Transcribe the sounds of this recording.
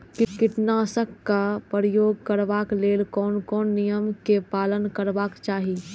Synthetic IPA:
kɪkɪʈnaːsəkːapəɾəjoːɡ̚kəɾʋaːkleːlkɔːnkɔːnːijəmkepaːlənkəɾʋaːkt͡ʃaːɦiː

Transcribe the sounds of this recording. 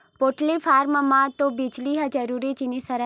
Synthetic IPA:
poːʈlifʰaːɾməmãt̪obiːd͡ʒliɦɐd͡ʒɐɾuːɾit͡ʃinisɐɾə

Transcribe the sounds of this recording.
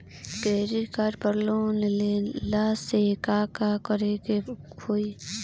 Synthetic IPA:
keːɾikaɾpəɾlõnelelaːssekaːkakəɾeɡe | oi

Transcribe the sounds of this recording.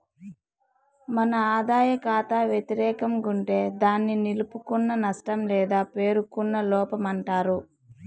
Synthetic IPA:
mɐnɐaːd̪aːjɐkaːt̪aːʋjet̪iɾɛːkɐmɡuɳʈe̞ːd̪aːnːinilupukunːɐnɐʂʈɐmlɛːd̪aːpe̞ːɾukunːɐlɔːpɐmɐɳʈaːɾu

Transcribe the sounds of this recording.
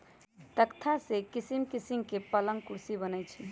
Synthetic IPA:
t̪əkt̪ʰasekisimkisimkepələŋkuɾsibənət͡ʃʰi

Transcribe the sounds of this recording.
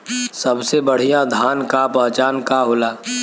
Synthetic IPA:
sɐbsebəɽ̤ijad̪ʱaːnkapəɦt͡ʃaːnkaɦoːlaː

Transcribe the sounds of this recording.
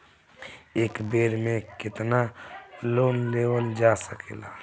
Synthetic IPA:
eːkbeːɾmẽkɪt̪naloːnleːwəld͡ʒaːsəkela̰ː

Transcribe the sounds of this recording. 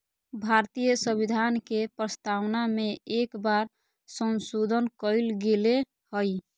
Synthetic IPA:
bʱaɾt̪ijəsəbid̪ʱankepɾəst̪awnameekbaɾ | sənsod̪ʱənkəɪlɡele | həj

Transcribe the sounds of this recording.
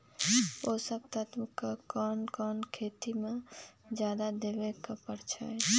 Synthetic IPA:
osəbt̪ət̪mkakɔːnkɔːnkʰeːt̪imed͡ʒjaːd̪ad̪ebekapəɽt͡ʃʰa̰

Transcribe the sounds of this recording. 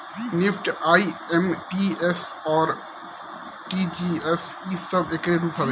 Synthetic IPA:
nɪfʈaiẽmpiesɔːɾ | ʈiːd͡ʒiːesiːsɐbekɾeːbt̪ʰɐʋe

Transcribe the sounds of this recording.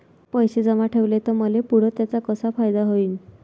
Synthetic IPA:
pəjsed͡zəmaʈʰeʋlet̪ɔməlepuɽ̤ɔt̪jat͡sakɔsapʰajd̪aɦoiːn

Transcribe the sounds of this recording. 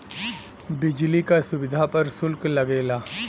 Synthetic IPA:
bɪd͡ʒlikasʊbɪd̪ʱapɐɾsʊlklɐɡeːlaː

